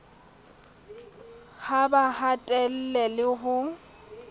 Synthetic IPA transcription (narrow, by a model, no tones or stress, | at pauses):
habahatʼɛl̩lɛlɪɦʊ